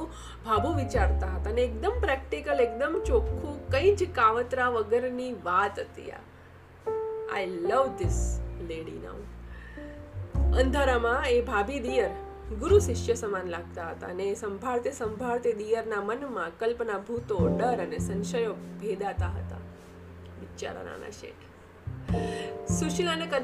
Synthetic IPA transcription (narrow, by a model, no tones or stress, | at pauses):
bʱabʱũʋit͡ʃaɾt̪aɦət̪aneːk̚d̪əmpɾɛkʈikəlek̚d̪əmt͡ʃokʰːũkə̃ĩd͡ʒkaʋət̪ɾaʋəɡəɾniʋat̪ət̪ḭja̰ | a̰jləʋd̪ɪsleɽḭna̰w | ə̃nd̪ʱəɾamãebʱabʱid̪ijəɾ | ɡʊɾuʃɪʃjəsəmanlaɡ̚t̪aɦət̪a̰ənesəmbʱaɭt̪esə̃mbʱaɭt̪ed̪ijəɾnamənmãkəlpnabʱut̪oɖəɾənesə̃nʃəjoɡʱed̪at̪aɦə̰t̪a̰ | ʋɪt͡ʃa̰ɾə̰na̰na̰ʃḛ | suʃilanekə